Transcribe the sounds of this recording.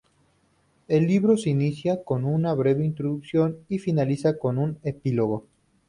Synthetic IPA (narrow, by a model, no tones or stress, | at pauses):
e̞lːiβɾoseinisjako̞nunaβɾe̞βeint̪ɾoðuksjo̞nifinalisako̞nune̞pilo̞ɣo̞